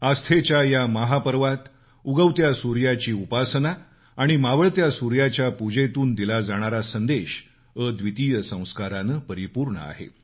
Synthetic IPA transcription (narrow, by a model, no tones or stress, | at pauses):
ast̪ʰet͡ɕjajaməɦapəɾʋat̪ | uɡəʋt̪jasuɾjat͡ɕiːupasnaː | ɽ̃imaʋəɭt̪jasuɾjat͡ɕjapud͡ʑet̪uːnd̪ilad͡zaɽ̃aɾasənd̪eɕ | əd̪ʋit̪iːjəsə̃w̃skaɾanəpəɾipuɾɳə̰a̰ɦḛ